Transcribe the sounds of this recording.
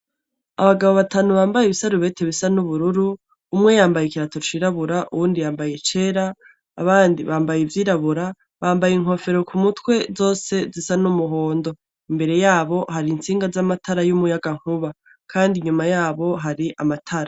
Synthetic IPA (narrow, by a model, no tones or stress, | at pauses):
a̰βaɡaβo̞βataːnuβaːmbajeβisaɾuβe̞te̞βisanuβuɾuɾuː | mŋe̞jaːmbajekiɾato̞t͡ʃiɾaβuɾaʔṵβuːndijaːmbaje̞t͡ʃe̞ːɾa̰ː | βaːndiβaːmbajevjiːɾaβuɾa | βaːmbajiŋ̥ho̞fe̞ɾo̞kumutwe̞zo̞ːse̞zisanumuɦo̞ːndo̞ | imbe̞ɾe̞jaːβo̞haɾint͡siːŋɡazamatʰaɾajumujaɡaŋ̥huβa | kʰaːndiɲumajaːβo̞ɦaɾiʔamatʰaɾa